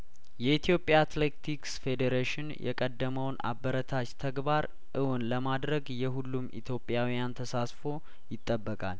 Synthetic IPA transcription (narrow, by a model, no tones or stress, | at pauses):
jɛit̪ʰijo̞pʼjat̪let̪ʰiksfe̞d̪eɾeʃɪnjʔɛ̰kʼəd̪ːəməwna̰bːəɾət̪ʰat͡ʃt̪ʰəɡbaɾ | ʔɨwnləmad̪ɾəɡjɛɦulːumḭt̪ʰjo̞pʼːjawijant̪ʰəsasfo̞ | jɪt̪ʼːəbːəkʼal